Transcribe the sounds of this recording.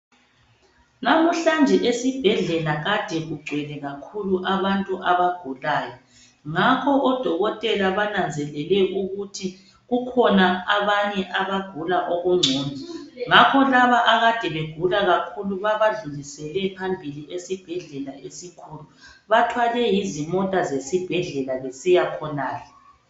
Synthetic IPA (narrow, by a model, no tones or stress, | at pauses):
namuɬand͡ʒʱɛʔesib̥ʱɛɮɛlaɣad̥ʱɛɣuɡ͡ǀʱwɛlɛɣakʰuluʔaβantʼuʔaβaɡ̥ʱulaːjɔ | ŋakʰɔʔɔd̥ʱɔɣɔtʼɛlaβanand͡zʱɛlɛlɛʔuɣutʰi | ɣukʰɔnaaβaɲɛʔaβaɡ̥ʱulaʔoɣuŋ͡ǀʱɔːnʱɔŋakʰɔlaβaʔaɣad̥ʱɛβeɡ̥ʱulaɣakʰuluβaβaɮulisɛlɛpʰambʱiliʔesib̥ʱɛɮɛlaʔesikʰuːluβatʰwalɛjizimɔtʼazesib̥ʱɛɮɛlaβesijakʰɔnaːjɔ